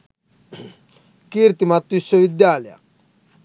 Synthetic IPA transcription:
kiɾt̪imat̪ːuisːoʋid̪jaːlja̰

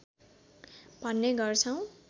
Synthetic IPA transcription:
bʱʌnːeɡʌrt͡sʰʌw̃

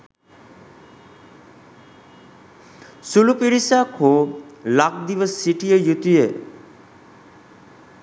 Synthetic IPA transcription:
sulupiɾisakʰolak̚d̪iʋəsːiʈijejut̪ije

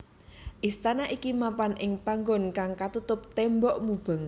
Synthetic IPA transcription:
ʔist̪anaʔikimapanʔɪŋpaŋɡɔnkaŋkat̪ut̪ʊp̚t̪ɛmbɔʔmub̥ə̤ŋ

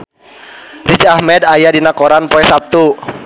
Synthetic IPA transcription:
rid͡ʒahmɛdajadinakoɾanpoɛsap̚t̪u

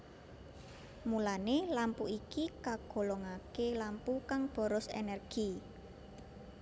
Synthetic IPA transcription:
mulanelampuikikaɡ̥o̤lɔŋakelampukaŋb̥ɔ̤ɾɔsḛnɛrɡ̥i

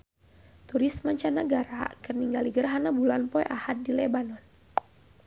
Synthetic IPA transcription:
t̪uɾisməɲt͡ʃanəɡaɾakərniŋɡaliɡərɦanabulanpɔjʔahat̪̚dilɛbanɔn

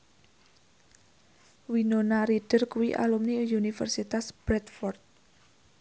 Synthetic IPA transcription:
winonaɾiɖ̥ə̤rkuwiʔa̰lumniunifə̰rsit̪asb̥ɾɛt̪fɔrt̪̚

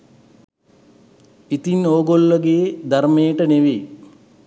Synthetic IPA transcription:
it̪inoːɡolːəɡeːd̪aɾmeːʈəneʋe

